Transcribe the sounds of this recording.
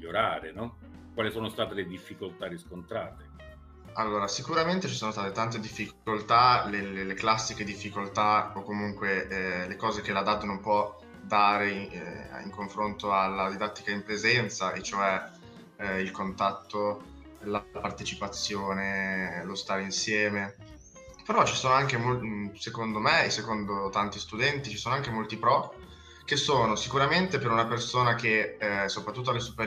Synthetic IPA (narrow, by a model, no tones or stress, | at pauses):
miʎːoɾaːɾenɔ | kwaːlisoːnost̪aːt̪eled̪ifːikolt̪aɾiskont̪ɾaːt̪e | a̰lːoːɾasikuɾament̪et͡ʃisoːnost̪aːt̪et̪ant̪ed̪ifːikkolt̪alelleklasːiked̪ifːikolt̪aokːomuŋkwelekɔːzek̟elad̪ad̪nompwɔ | d̪aːɾe | ḭŋkoɱfɾont̪oalːad̪id̪at̪ːikaimpɾezɛnt̪saʔet͡ʃːoɛ | ilkont̪at̪ːo | lapart̪et͡ʃipat̪sːjoːnelost̪aːɾeinsjɛːme | peɾɔt͡ʃi̥soːnoaŋk̟emosekond̪omeːsekond̪ot̪ant̪ist̪ud̪ɛnt̪it͡ʃi̥soːnoaŋkemolt̪ipɾɔ | k̟esoːnosikuɾament̪epeɾunapersoːnak̟esopɾat̪ːut̪ːoalesupeɾ